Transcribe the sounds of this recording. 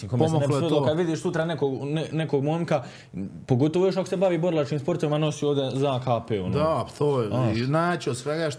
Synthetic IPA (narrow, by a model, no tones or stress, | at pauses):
ikomesneod̪lokad̪ʋid̪iːʃsut̪ɾane̞koɡnene̞koɡmomka | po̞ɡo̞t̪oʋojo̞ʃ̬ako̥se̞baʋiːbo̞ɾlˠat͡ʃkiːmspo̞ɾt̪oʋimano̞siːoːd̪e̞zakaːpeːonoat̪ʰoːnaːt͡ɕod̪sʋeɡaʃ